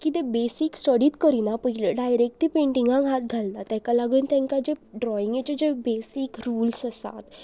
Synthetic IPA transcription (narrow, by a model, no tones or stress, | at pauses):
kit̪ebesiksʈəɽit̪kəɾinapəɦileɖajɾek̚ʈipẽɳʈĩŋɡãɡʱat̪̚ɡʱaldat̪ɛ̃kalaɡunt̪ɛ̃ŋkad͡ʑeɖɾɔiŋɡet͡ɕed͡ʑebesikɾuːlsəsa̰t̪